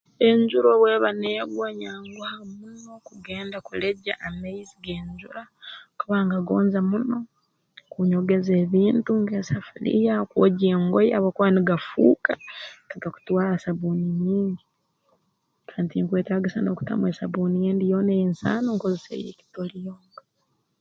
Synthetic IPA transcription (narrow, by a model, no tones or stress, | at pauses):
e̞ɲɟuɾo̞βwe̞ːβaneːɡwaɲaːŋɡwahamuno̞kuɡe̞ːndakule̞ɟaʔːmaiziɡe̞ːɲd͡ʒuɾakuβaːŋɡaɡoːnzamuno̞ | kuɲo̞ɡe̞ze̞ːβiːntuŋɡeːsafulḭjaokuwoɟeːŋɡojaβokuβaniɡafṵːkaaɡaku̥twaːlasaβuniɲiːɲɡi | kʰaːntiŋkwe̞ːtaːɡisano̞ːku̥ta̰mwesaβuːnijeːndijoːnejiːnsa̰ːnoŋkozisḛjḛki̥tolijoːŋɡa